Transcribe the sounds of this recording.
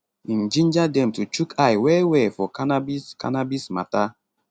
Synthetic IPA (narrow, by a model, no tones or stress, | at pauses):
ĩnd͡ʒĩnd͡ʒadɛ̃mtut͡ʃukʰajwɛwɛfɔkanabiska̰nabisma̰ta